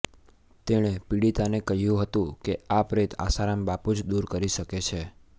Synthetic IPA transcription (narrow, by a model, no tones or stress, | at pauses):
t̪eɽ̃epiɽit̪anekəɦjũɦət̪ũkeapɾet̪a̰saɾambapud͡ʒd̪uɾkəɾiʃəket͡ʃʰe